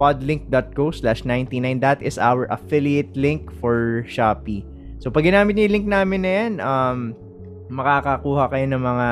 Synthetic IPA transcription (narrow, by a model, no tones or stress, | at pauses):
pad̪lɪŋk̚d̪ɐt̪̚koslaʃnajnt̪inajnd̪ɐt̪ʔɪsa̰wɛɹʔɐfɪlɪɛt̪̚lɪ̃ŋkfɔɹʃaːpi | sopɐɡɪnaːmɪt̪̚ɲʊɪlɪŋk̚naːmɪnːɐjanʔɐmː | ɐkaːkɐkuːhɐkɐjo̞nɐŋmɐŋa